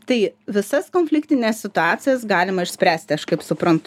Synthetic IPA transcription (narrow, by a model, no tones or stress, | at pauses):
t̪ɐɪʋʲɪsɐskoːnʲfʲlʲɪkt̪ʲɪnʲeːssʲɪt̪ʊɑːt̪sʲɪjɛsɡɑːlʲɪmɐɪʃsʲpʲɾʲæːsʲt̪ʲɪɐʃkɐɪpsʊpɾɐnt̪ʊ